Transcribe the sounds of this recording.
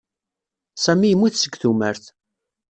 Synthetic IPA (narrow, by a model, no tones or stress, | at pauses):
sæmijəmːiθsəɡθuməɾθ